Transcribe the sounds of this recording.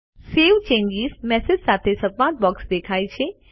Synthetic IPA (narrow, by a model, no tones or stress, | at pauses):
seʋt͡ʃẽɲd͡ʒizmɛsɪd͡ʒsat̪ʰesəbmãt̪̚bɔksd̪ekʰajt͡ʃʰe